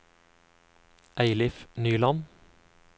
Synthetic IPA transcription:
ʔæɪlɪfnyːlɑn

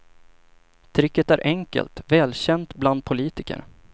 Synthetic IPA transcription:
t̪ʰɾɪkːət̪æɾʔɛŋkə̰lt̪vɛːlɕɛnt̪bland̪̚pʰʊliːt̪ɪkə̰ɾ

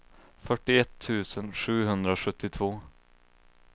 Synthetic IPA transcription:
fœʈːɪɛt̪ʰːʉ̟ːsənɧʉ̟ːɦɵnd̪ɾaɧɵt̪ːɪt̪ʰvoː

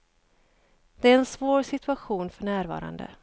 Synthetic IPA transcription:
d̪̥ɛæɾɛnsvoːɾsɪt̪ɵaɧuːnfœɳæːɾvɑ̰ːɾa̰nd̪ə̰

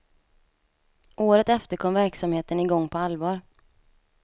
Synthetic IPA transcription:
ʔoːɾət̪ɛft̪əɾkʰɔmvæɾksamheːt̪ənɪɡɔŋːpʰɔalvɑːɾ

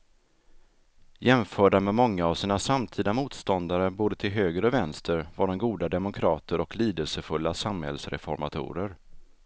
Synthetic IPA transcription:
jɛmfœːɖamɛmɔŋːaːvsiːnasamt̪ʰiːd̪amuːt̪st̪ɔnd̪aɾəboːd̪ət̪ʰɪlɦøːɡɾəɔvɛnst̪ʰəɾvaɖɔmɡuːd̪ad̪ɛmʊkʰɾɑːt̪ʰəɾɔkliːd̪əlsəfɵlːasamhɛ̰lsɾɛ̰fɔ̰ɾma̰t̪ʰṵːɾəɾ

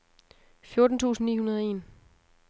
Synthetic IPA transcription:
fjo̝ɐd̥n̩t͡sʰṵːsn̩nːḭːhunɐð̞ˠe̝̰ːn

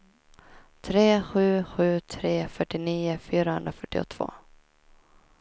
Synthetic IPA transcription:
t̪ʰɾeːɧʉ̟ːɧʉ̟ːt̪ʰɾeːfœʈːɪniːʊfyːɾahɵ̰nd̪ɾafœʈːɪɔ̰t̪ʰːv̥o̰ː

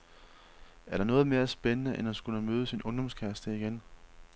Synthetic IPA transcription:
æɐɾ̥ɑ̈nɔ̽ːð̞̩ˠme̝ːɐsb̥enənəʔenhænsɡ̥uləmøːð̞̩ˠəsinɔ̽nd̥ɒ̽mskʰæɐsd̥əiɡ̥en

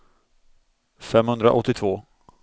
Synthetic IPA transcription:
fɛmhɵnd̪ɾa̰ʔɔt̪ːɪt̪ʰvoː

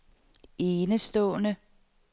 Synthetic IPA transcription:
e̝ːnəsd̥ɔ̰ːnə

